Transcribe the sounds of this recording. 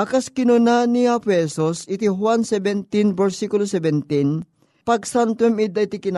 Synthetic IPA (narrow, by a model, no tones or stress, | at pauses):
ʔɐkɐskɪnʊnaniapʊhɛsusɪt̪iɦwansɛbɛnt̪inbɛɹsikʊlosɛbɛnt̪in | pɐɡ̚sant̪wɛmid̪ɐʔit̪ikɪna